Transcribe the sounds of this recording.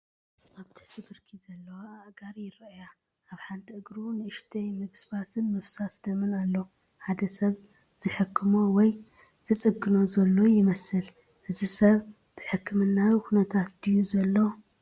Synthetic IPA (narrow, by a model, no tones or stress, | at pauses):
ʔaβt̪ʰɨ̥ħt̪ʰɨbɨɾkʰizɐlːɐwaɡaɾjɪɾɐʔja | ʔaβħant̪ʰiʔɨɡɾunɨʔɨʃt̪ʰɐjmɨβsbasɨnmɨfsasd̪̥ɐmɨnalːo | ħad̪ɐsɐβ | z̥ɨħɨkʰːɨmowɔjz̥ɨt͡sʼɨɡːɨno̞zɐlːo̞jɪmɐsɨl | ʔɨzisɐβ | b̥ɨħɨkʰːɨmɨnːakunɐt̪ʰat̪̚d̪ɨjuzɐlːo